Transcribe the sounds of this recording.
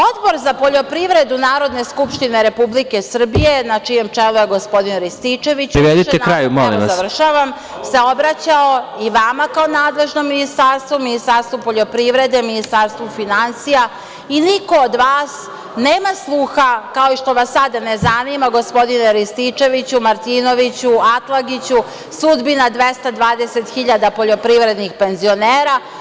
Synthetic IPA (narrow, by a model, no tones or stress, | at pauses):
o̞d̪bo̞ɾzapo̞ʎo̞pɾiʋɾe̞d̪unaːɾo̞d̪ne̞skupʃt̪ine̞ɾe̞publike̞sr̩bije̞nat͡ʃije̞mt͡ʂelˠujeɡo̞spo̞d̪inɾist̪it͡ʃe̞ʋit͡ɕɾiɾed̪iekɾajumo̰lḭmʋazaʋr̩ʃaʋam | se̞o̞bɾat͡ɕao̞iʋamakaonaːd̪le̞ʒnomːinist̪aɾst̪ʋuminist̪aɾst̪ʋupo̞ʎo̞pɾiʋɾe̞d̪e̞minist̪aɾst̪ʋufinansija | iniko̞ːd̪ʋaːs | neːmaslˠuxakao̞iʃt̪o̞ʋasːad̪anezanimaɡo̞spo̞d̪ineɾist̪it͡ʃe̞ʋit͡ɕumaɾt̪iːno̞ʋit͡ɕuat̪lˠaɡit͡ɕu | sud̪binad̪ʋest̪ad̪ʋaːd̪e̞se̞t̪xiʎad̪apo̞ʎo̞pɾiʋɾe̞d̪nixpe̞nzio̞neːɾa